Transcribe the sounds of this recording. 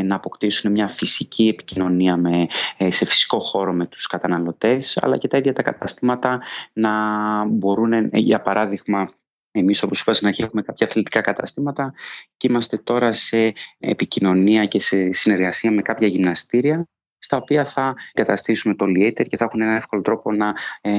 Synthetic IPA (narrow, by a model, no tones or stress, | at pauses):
nɐːpo̞kt̪isune̞mɲɐfisicʰie̞pi̥cino̞niɐmese̞fi̥si̥ko̞xo̞ɾo̞me̞t̪u̥skɐt̪ɐnɐlo̞t̪e̞sɐ̰lɐ̰ce̞t̪ɐiðʝɐt̪ɐkɐt̪ɐst̪imɐt̪ɐnɐbo̞ɾunejɐ̰pɐɾʔɐðiɣmɐ | e̞miso̞po̞si̥pɐsnɐçiume̞kɐpçɐθelit̪i̥kɐkɐt̪ɐ̰st̪imɐt̪ɐcimɐst̪e̞t̪o̞ɾɐse̞̰ːpicino̞niɐce̞se̞sine̞ɾɣɐsiɐme̞kɐpçɐʝimnɐst̪iɾiɐ | st̪ɐo̞piɐθɐɡɐt̪ɐst̪isume̞t̪oliet̪eɾce̞θexune̞nɐne̞fkolo̞t̪ɾo̞po̞nɐ